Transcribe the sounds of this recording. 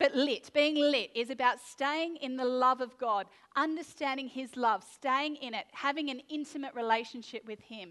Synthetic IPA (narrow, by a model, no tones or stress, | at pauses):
b̥ʌtˡlɪt̚b̥iɪ̃ŋlɪɾɪzɨbaʊtsteɪɪ̃ŋɨ̃nðəlʌvʌvɡɑɾ | ʔʌ̃ndə˞stæ̃ndɪ̃ŋɪzlʌv̥steɪɪ̃ŋɪ̃ñɪt̚hævɪ̃ŋɨ̃nɪ̃ntʰɨmɨʔ̚ɹʔileɪʃɨ̃n̩ʃɪp̚wɨð̥ɪ̃m